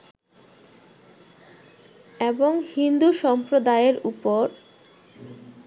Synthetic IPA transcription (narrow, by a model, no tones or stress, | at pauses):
eboŋhind̪uʃɔmpɾod̪aeɾupoɾ